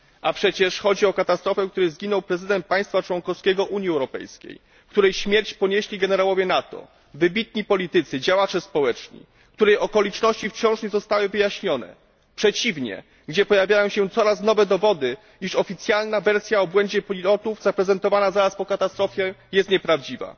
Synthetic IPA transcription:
ʔapʂɛt͡ɕɛʂxɔd͡ʑiɔkat̪ast̪ɾɔfɛkt̪uɾɛzɡʲinɔwpɾɛzɘd̪ɛnt̪̚paj̃st̪fat͡ʂwɔnkɔfskʲɛɡɔʔuɲjiɛwɾɔpɛ̰jskʲḛj | kt̪uɾɛjɕmʲjɛɾt͡ɕpɔɲeɕlʲiɡɛnɛɾawɔvʲjɛnat̪ɔ̰ | vɘbʲit̪̚ɲipɔlʲit̪ɘt̪sɘd͡ʑawat͡ʂɛspɔwɛt͡ʂɲḭ | kt̪uɾɛjɔkɔlʲit͡ʂnɔɕt͡ɕift͡ɕɔ̃w̃ʂɲɛzɔst̪awɘvɘjaɕɲɔnɛ̰ | pʂɛt͡ɕivɲɛ̰ | ɡd͡ʑɛpɔjavʲjajɔ̃ɕɛt̪sɔɾasnɔvɛd̪ɔvɔd̪ɘ | iʂɔfʲit̪sʲjalnavɛɾsʲjaɔbwɛɲd͡ʑɛpɔlʲilɔt̪uvzapɾɛzɛnt̪ɔvanazaɾaspɔkat̪ast̪ɾɔfʲjɛjɛst̪ɲɛpɾavd͡ʑiva̰

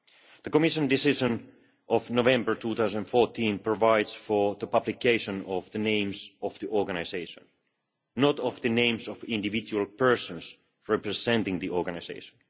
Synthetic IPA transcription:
ðəkɔmɪʃə̃ndɪsɪʒə̃n | ʔɔvnovɛ̃mbə˞tʰuθaʊzə̃ñnfɔɹtʰĩnpɹ̥ɔvaɪdz̥fɔðəpʌblɪkeɪʃə̃nɔvðənẽɪ̃mzɔvðiʔɔɹɡanaɪzeɪʃə̰̃nː | ɔtɔvðɨnẽɪ̃mzɔvɪ̃ndɨvɪd͡ʒulˠpʰɜ˞sə̃nz | ɹɛpɹɨzɛ̃ntɪ̃ŋðiʔɔɹɡanazḛɪʃə̃n

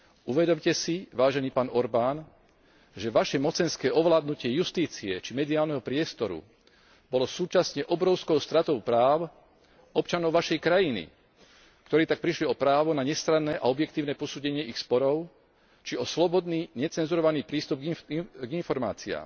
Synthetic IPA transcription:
uʋɛd̪ɔmcɛsiʋaːʒɛniːpaːnɔɾbaːn | ʒɛʋaʃɛmɔt͡sɛnskɛːɔʋlaːd̪nucɪɛjust̪iːt͡siɛt͡ʃimɛd̪iaːlnɛɦɔpɾɪɛst̪ɔɾṵ | b̥ɔlɔsuːt͡ʃasɲɛʔɔbɾɔʊskɔʊst̪ɾat̪ɔʊpɾaːʊ | ɔpt͡ʃanɔʊʋaʃɛjkɾajinḭ | kt̪ɔɾɛːt̪ak̚pɾiʃliɔpɾaːʋɔnaɲɛst̪ɾanːɛːʔaɔbjɛkt̪iːʊnɛːpɔsuːɟɛɲɪɛixspɔɾɔʊ | t͡ʃiɔslɔbɔd̪niːɲɛt͡sɛnzuɾɔʋaniːpɾiːst̪ub̚ɡɡinfɔɾma̰ːt͡sia̰ːm

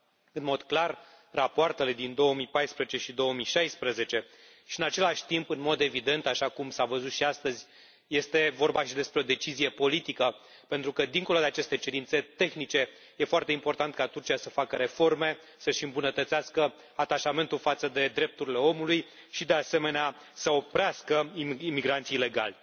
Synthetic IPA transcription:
ɨnmo̞d̪klar | rapoart̪e̞le̞d̪ind̪o̞əmipajspɾezet͡ʃe̞ʃid̪o̞woəmiʃajspɾəze̞t͡ʃe̞ | ʃiɨnat͡ʃe̞laʃʲt̪impɨnmo̞d̪e̞vid̪e̞nt̪aʃakumsavəzut̪ʃiast̪əzʲ | je̞st̪e̞vo̞rbaʃid̪e̞spɾe̞od̪e̞t͡ʃizije̞po̞lit̪ikə | pe̞nt̪ɾukəd̪iŋko̞lo̞d̪eat͡ʃe̞st̪e̞t͡ʃe̞ɾint̪se̞t̪e̞xnit͡ʃe̞ | je̞foart̪eimpo̞rt̪ant̪̚kat̪urt͡ʃijasəfakəɾe̞fo̞rme̞ | səʃɨmbunət̪ət̪seaskə | at̪aʃame̞nt̪ulfat̪səd̪e̞d̪ɾe̞p̚t̪uɾile̞o̞muluj | ʃid̪e̞ase̞me̞nea | səo̞pɾeaskəiimiɡɾant̪sijle̞ɡa̰lʲ

